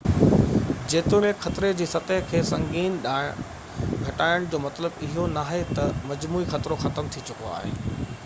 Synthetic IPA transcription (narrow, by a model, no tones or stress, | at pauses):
d͡ʑeːt̪ʊɽẽxɐt̪ɾed͡ʑiːsɐt̪əɦkʰeːsɐ̃ŋɡiːnɗaː | ɡʱɐʈaːɪəɽ̃d͡ʑoːmɐt̪ləbɪɦonaːɦet̪ɐmɐd͡ʑmuːixɐt̪ɾoxɐt̪əmt̪ʰit͡ɕʊkoa̰ːɦḛː